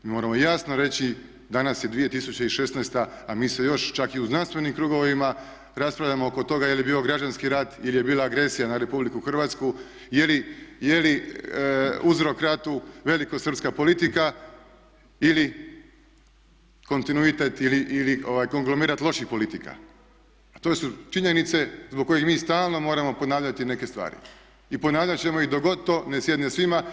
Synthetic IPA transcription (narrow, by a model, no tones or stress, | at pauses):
miːmo̞ɾamo̞jasnoɾe̞t͡ɕi | d̪anasjed̪ʋije̞t̪isut͡ɕeiʃe̞snɛjst̪aamiːse̞jo̞ʃt͡ʃakiuznanst̪ʋe̞nimkɾuɡo̞ʋima | ɾaspɾaʋʎʲamooko̞t̪o̞ɡajeljebiːo̞ɡɾad͡ʑanskiɾat̪ilije̞biːlˠaːɡɾe̞sijanaɾe̞publikuxr̩ʋaːt̪sku | jelijeli | uzɾo̞kɾat̪uʋe̞likosr̩pskapo̞lit̪ika | ili | ko̞nt̪inuit̪e̞t̪iliʔilio̞ʋajko̞ŋɡlomiːɾat̪lˠo̞ʃixpo̞lit̪ika̰ | t̪o̞sut͡ʃiɲe̞nit̪se̞zbok̚ko̞jexmiːst̪aːlˠno̞mo̞ːɾamo̞ponaːʋʎat̪ine̞ke̞st̪ʋa̰ːɾḭ | iponaːʋʎat͡ɕe̞moid̪oɡo̞t̪ːone̞sje̞d̪nesʋima